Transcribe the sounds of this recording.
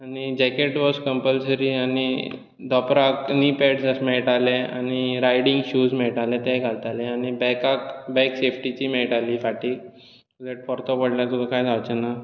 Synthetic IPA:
añid͡ʑɛkeʈʋɔskəmpəlsəɾiani | d̪ɔpɾaknipeʈsəsmɛɭʈalea̰ñiɾajɽiŋɡɕuːzmɛɭʈalɛt̪ɛ̃ɡʱalt̪aleañibɛkakbɛksefʈit͡ɕiːmɛʈalisaʈiː | ud̪eʈ̚fɔɾt̪ɔpəɽlat̪ubekajd͡zʱawt͡ɕɛna

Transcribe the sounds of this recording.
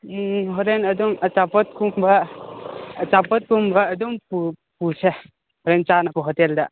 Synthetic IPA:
ɦɔɾenɐduŋɐt͡ʃapɔt̚kumbɐː | t͡ʃapɔt̚kumbɐːdumpu | puse | hɔɾent͡ʃanapʰɔɦɔtelda

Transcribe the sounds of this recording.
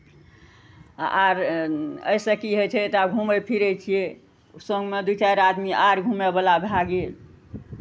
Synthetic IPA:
ʔaɾə̰jsəkiɦot͡ʃʰɛt̪aɡʱuməjpʰiɾət͡ʃʰije | sõŋɡmed̪ut͡ʃaɾad̪miʔaɾɡʱumebəlabʱaɡel

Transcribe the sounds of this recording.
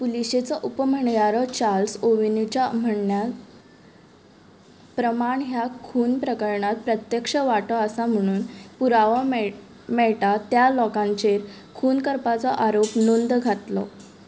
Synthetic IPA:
puliɕet͡sɔʔupəm̤əɳjaɾɔt͡ɕalsoʋinit͡ɕam̤əɳnja | pɾəmaɳɦjakʰuːnpɾəkəɾɳat̪̚pɾət̪jəkʂəʋaʈɔəsam̤əɽ̃uːnpuɾaʋɔ | mɛɭʈat̪jalɔkãɲt͡ɕeɾ | kʰuːnkəɾpat͡sɔʔaɾopnond̪ɡʱat̪lɔ̰

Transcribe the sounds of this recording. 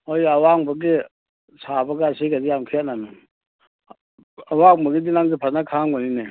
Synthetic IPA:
ojawaŋbɐɡi | sʰabɐɡaːsiɡadijamkʰeananu | awaŋbɐɡidinaŋɡipʰaɾnakʰaŋɡɔnine

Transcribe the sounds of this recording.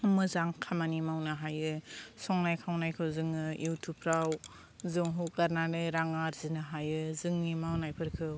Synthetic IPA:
mɯzaŋkʰamanimawnɯɦajɯsɔŋnajkʰawnajkʰɯwzɯŋɯjutʰupʰɾaw | zɯŋɦukaɾnanɯɾaŋaɾzinɯɦajɯzɯŋnimawnajpʰɯɾkʰɯw

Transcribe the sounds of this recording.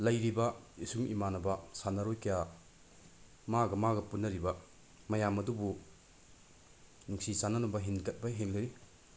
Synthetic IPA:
lɐjɾibɐisuŋʔḭmanɐbɐsanɐɾojkija | maɡɐmaɡɐpunːɐɾibɐ | mɐjamɐdubu | nuŋsisanɐnubɐɦinkɐt̚bɐɦeŋlɐɾi

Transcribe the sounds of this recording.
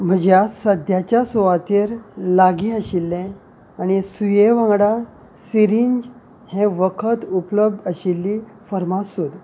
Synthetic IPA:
m̤əd͡ʑjasəd̪ʱjat͡ɕjasoʋat̪eɾlaɡiəɕilːɛ̃ | aɽ̃isujeʋãŋɡɽa | siɾiɲd͡ʑ | hẽʋəkʰət̪upləb̚d̪əɕilːifəɾmasud̪

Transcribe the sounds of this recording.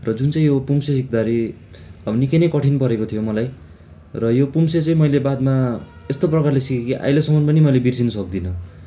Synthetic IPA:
rʌd͡zunt͡saĩjopumsesikd̪aɾi | ʌbnikenʌjkʌʈʰinpʌɾekot̪ʰijomʌlaj | rʌjopumset͡sʌ̃ĩmʌjlebad̪ma | est̪oprʌkarlesikekiʔa̰jlʌsʌmʌnpʌnimʌjlebirsinʌsʌk̚d̪inʌ

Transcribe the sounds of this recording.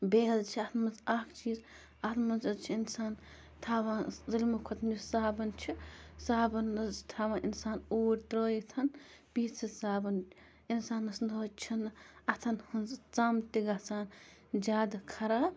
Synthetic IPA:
beːɦɐzt͡ʃʰiɐt̪ʰmɐnt͡saːkʰt͡ʃiːz | ɐt̪ʰmɐnzɐt͡ʃʰiinsaːn | t̪ʰaːʋãːzɐlʲmukʰɔt̪ʰnisaːbɐnt͡ʃʰisaːbɐnːɐzt̪ʰaːʋãːnʔinsaːnoːɾʲt̪ɾoːjit̪ʰɐn | piːt͡sʰɨsaːbɐn | insaːnːɐsnoːt͡ʃʰinɐt̪ʰɐnhunzt͡samt̪iɡat͡saːnd͡ʒʲaːd̪ɐkʰɐɾaːb

